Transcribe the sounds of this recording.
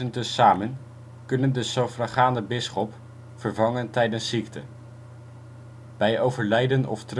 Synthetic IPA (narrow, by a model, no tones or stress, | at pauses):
əntəsaːmən | kɵnəndəsowfrɑχaːndəbɪsχɔp | fəɹvɑŋəntɛjdənsːiktə | b̥ɛjowvəɹlɛjdənɔ̰ftr